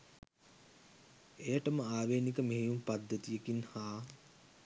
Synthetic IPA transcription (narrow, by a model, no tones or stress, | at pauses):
ejəʈəməaːʋeːnikəmeɦejumpad̪ːət̪ijekinhaː